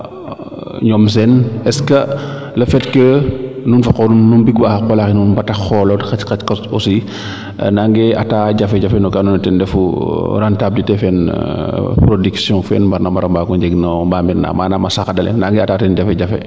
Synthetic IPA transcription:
ɲɔms̬ɛnɛskɐ | lɐfɛtkənunfɐkɔnunːunbiɡwapɔlaxinunbɐtɐxɔlɔtxɐtkɐtkɐsɔsi | naŋɡɛʔataːɟɐfɛɟɐfɛnɔkanɔnɛtɛndɛfuɾantab̚d͡ʒitɛfɛn | pɾodiksjɔ̃fɛ̰nbɐɾnambɐɾɐmbakɔɲd͡ʒɛɡnambaːmbiɾna̰ːmaːnamɐsaxɐdɐlɛ̰naŋɡɛataːtɛnɟɐfɛɟɐfɛ̰

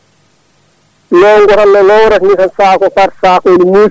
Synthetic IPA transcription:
nɔwŋɡɔɾanːɔnɔwɾanikansaːkɔfaɾsaːkodimu

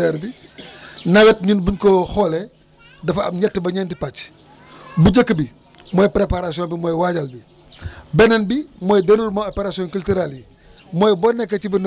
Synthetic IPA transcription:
ɛɾbi | nɐɡɐt̚ɲunbuɲkɔxɔlɛ | dɐfɐ̰b̚ɲɛtːəbɐɲɛndipɐc | buɟəkːbi | mɔːjpɾepaɾasiɔnbimɔːjwaɟɐlbi | bɛnɐnbimɔːjdenulmɔɔpeɾasiɔnkultiɾalji | mɔːjbɔnɛkːɐcibin

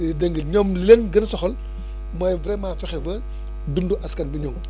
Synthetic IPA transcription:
dɛŋɡəɲɔmllenɡənsɔxɔl | mɔːjvɾɛmãːfɛxɛbɐ | dunduʔɐskɐnbiɲɔːm

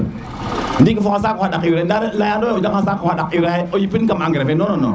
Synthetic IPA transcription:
n̩dik̬afoŋas̬aːkohadakiwɾandaɾlajandoaod͡ʒaŋhasakahaɗakiwɾaojipinkamaŋɡeɾafenonono̰

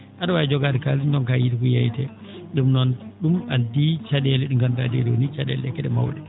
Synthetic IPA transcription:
ʔaɗɔwaɛd͡ʒɔɡaːdɛkalintɔnkajidikujajtɛ | ɗumnɔnɗumadit͡ʃaɗɛlɛɗumkantadɛ̰dɛo̰nit͡ʃaɗɛ̰lɛkɛɗɛma̰wɗɛ

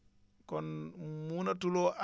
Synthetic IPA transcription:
kɔnmunatulɔʔa

